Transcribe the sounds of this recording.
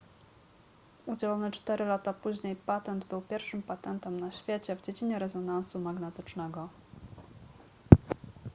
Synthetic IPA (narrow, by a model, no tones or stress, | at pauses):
ud͡ʑɛlɔnɘt͡ʂt̪ɛɾɘlat̪apuʑɲejpat̪ɛnd̪bɘwpʲjɛɾfʂɘmpat̪ɛnt̪ɛmnaɕfʲjet͡ɕɛvd͡ʑed͡ʑiɲɛɾɛzɔnansumaɡnɛt̪ɘt͡ʂnɛɡɔ